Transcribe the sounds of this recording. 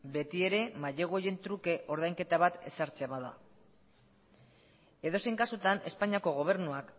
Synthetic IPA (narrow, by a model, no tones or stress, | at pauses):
be̞t̪ie̞ɾe̞maʎeɣoje̞nt̪ɾuke̞ʔo̞ɾðajŋke̞t̪aβat̪e̞̰saɾt͡seβaða̰ | e̞ðo̞sejŋkasut̪ane̞spaɲiako̞ɣ̞o̞β̞e̞ɾnuak